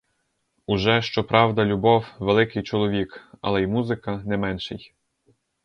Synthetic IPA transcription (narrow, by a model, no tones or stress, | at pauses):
uʒɛʃt͡ʃɔpɾʔɑwd̪ɐlʲʊbɔwʋelˠɪkɪjt͡ʃɔlˠɔʋʲikɐ̰lˠɛjmuzɪkɐnɛmɛnʃɪj